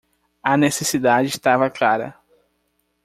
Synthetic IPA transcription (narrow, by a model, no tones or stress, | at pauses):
ɐnesesid̪ad͡ʒɪɪst̪avɐklaɾɐ̰